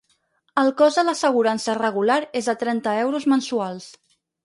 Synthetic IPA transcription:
əlˠkɔzələsəɣ̞uɾansərəɣulaɾezðət̪ɾɛnt̪əɛwɾuzmənsualˠs

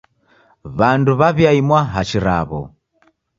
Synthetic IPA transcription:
βanduβaβjaimwaɦat͡ʃiɾa̰βɔ̰

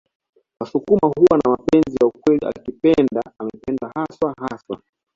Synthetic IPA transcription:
wasukumaɦuwanamapɛnzijaukwɛlia̰kipɛndaamɛpɛndahaswaɦaswa

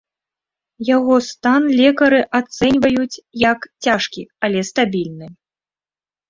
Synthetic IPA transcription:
jaɣɔst̪anlʲɛkɐɾɨʔat̪sɛnʲvɐjut͡sʲjɐkt͡sʲaʂkʲiɐlʲɛst̪abʲilʲnɨ

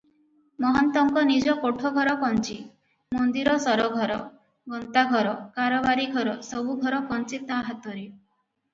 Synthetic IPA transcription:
mɔɦɔnt̪ɔŋkɔnid͡ʒɔkoʈʰɔɡʱɔɾɔkɔnt͡ʃi | mɔnd̪iɾɔsɔɾɔɡʱɔɾɔ̰ | ɡɔnt̪aɡʱɔɾɔkaɾɔbaɾiɡʱɔɾɔsɔbuɡʱɔɾɔkɔnt͡ʃit̪aɦat̪ɔɾe

